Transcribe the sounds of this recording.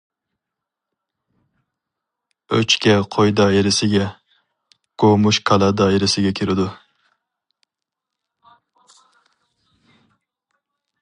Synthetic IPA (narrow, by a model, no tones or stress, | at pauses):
ø̰t͡ʃkʲɛqʰojd̪ɑjeɾɪsɪɡʲɛ | ɡ̥omuʃkʰɑlˠɑd̪ɑjeɾɪsɪɡʲɛkʲʰiɾɪd̪u